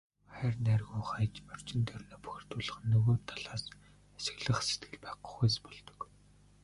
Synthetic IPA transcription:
χæːrnærɣuːŋχajt͡ɕmœr̥t͡ɕɪ̆nt̪ʰœrnoːpu̥xʲɪ̆r̥t̪ʊːɮə̆χ̆nːɵɣoːt̪ʰaɮaːs | æsɘ̆ɣɮə̆χset̪̚ɡɘ̆ɮpæːqə̥̆χujspɔɮt̪ɞ̥̆k

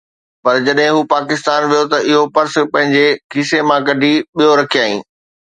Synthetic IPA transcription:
pɐɾd͡ʑɐɗɦɪ̃ɦuːpaːkɪst̪aːnʋijot̪ɐʔɪɦopɐɾs̆pɐ̃ɦɪ̃ɲd͡ʑekiːsemãkɐɖʱiɓijoɾɐkʰiaːɦḭ̃ː

